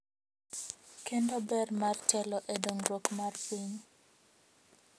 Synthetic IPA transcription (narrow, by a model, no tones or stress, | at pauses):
kendobɛrmart͡ʃɛlɔʔedoŋrokmarpiɲ